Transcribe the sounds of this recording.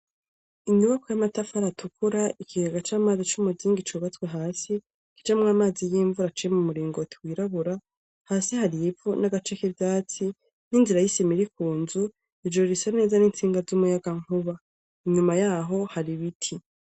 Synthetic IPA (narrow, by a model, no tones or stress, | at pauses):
iɲuβakojamatafaɾatʰukʰuɾaʔikʰiɡaɡat͡ʃaːmaːzit͡ʃumuziːŋɡit͡ʃuβat͡sweɦaːsi | ki̥t͡ʃamŋaːmaːzijiːɱvuɾat͡ʃijemumuɾiːŋɡotʰwiːɾaβuɾa | haːsihaɾibvunaɡat͡ʃe̞kevjaːt͡si | n̥inziɾajisimiɾikuːnzu | id͡ʒoɾisane̞ːzaniːnt͡siːŋɡazumujaɡaŋ̥uβa | iɲumajaːɦo̞haɾiβitʰi